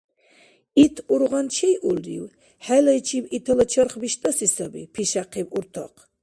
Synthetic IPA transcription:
it̪ʰuɾʁant͡ʃʰɛjʔulɾḭw | ħalajt͡ʃʰiwit̪ʰɔlɔt͡ʃʰɔɾχbiʃt̪ʼɔsisabḭpʰiʃaqʰiwuɾt̪ʰɔ̰qʰ

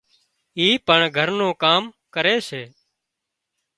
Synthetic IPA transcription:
iːpəɳɡʱəɾnõːkaːm | kəɾeːseː

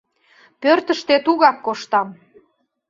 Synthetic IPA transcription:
pørt̪əʃt̪et̪uɣɑkːoʃt̪ɑm

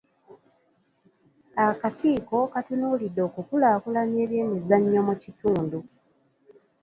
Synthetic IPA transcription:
akatiːko̞katunuːlidːo̞ːkukulaːkulanje̞ːβje̞ːmizaɲːomucituːndu

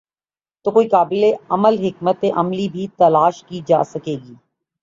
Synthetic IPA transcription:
t̪oːkoːikaːbɪleɐməlɦɪkmət̪eʔɐmlibʱit̪ɐlaːʃkid͡ʒa̰ːsɐkeːɡiː

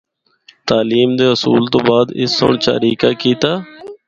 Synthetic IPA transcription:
t̪aːliːmd̪eːɦʊsuːlt̪õːbaːd̪ɪ̰sːo̰ːɳt͡ʃa̰ːɾiːka̰ːkiːt̪aː

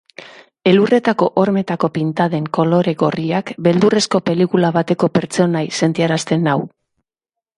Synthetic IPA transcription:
e̞lure̞t̪ako̞ʔoɾme̞t̪ako̞pint̪að̞e̞ŋko̞lo̞ɾe̞ɣo̞riakbe̞ld̪ure̞sko̞pe̞likulaβat̪e̞ko̞pe̞ɾt͡so̞najse̞nt̪iaɾast̪e̞naw

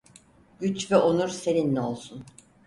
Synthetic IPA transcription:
ɟyt͡ʃvɛʔonuɾse̞ninlʲɛo̞lˠsun

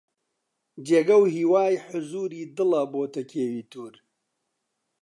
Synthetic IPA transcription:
d͡ʒeːɡɐwhiːwaːjħʊzuːɾiːd̪ɨlɐboːt̪ɐkʰeːwiːt̪ʰuːɾ

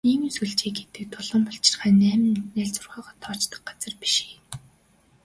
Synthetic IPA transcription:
iŋɵsŭɮt͡ɕeːɡet̪ɘ̆k̚t̪ʰʊɮɞ̆mpɔɬt͡ɕɪ̥̆rχæːnːæːm̆nːæːɮt͡sʊrʁœːʁɔːt̪ʰɔːt͡ɕt̪ə̆k̚ɢat͡sə̆rpi̥ʃi̥ː

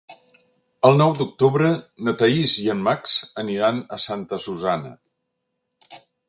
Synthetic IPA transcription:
əlˠnɔwd̪uk̚t̪uβɾənət̪əiziəmmaksəniɾanəsant̪əsuzanə̰

